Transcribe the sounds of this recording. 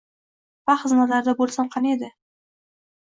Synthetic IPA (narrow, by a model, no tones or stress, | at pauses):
baχɨznat̪laɾd̪abolˠsamqʰɑned̪ɪ